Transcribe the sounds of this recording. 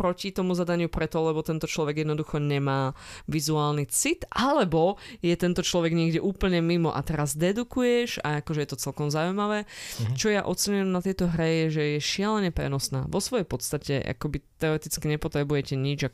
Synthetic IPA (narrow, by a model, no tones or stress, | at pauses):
pɾɔcit̪ɔmuzad̪aɲɪupɾɛt̪ɔlɛbɔt̪ɛnt̪ɔt͡ʃlɔʋɛɡjɛd̪nɔd̪uxɔɲɛmaːʋizuaːlnit͡sit̪ʔalɛbɔjɛt̪ɛnt̪ɔt͡ʃlɔʋɛɡɲɪɛɡɟɛʔuːpl̩ɲɛmimɔʔa̰t̪ɛɾazd̪ɛd̪ukujɛʒa̰akɔʒɛjɛt̪ɔt͡sɛlkɔmzaujmaʋɛːt͡ʃɔjaʔɔt͡sɛɲujɛmnat̪ɪɛt̪ɔɦɾɛjɛʒɛjɛʃɪalɛɲɛpɾɛ̰nɔsna̰ːʋɔsʋɔjɛjpɔt̪st̪acɛ̰ʔa̰kɔbit̪ɛɔɾɛt̪it͡skiɲɛpɔt̪ɾɛbujɛcɛɲid͡ʒa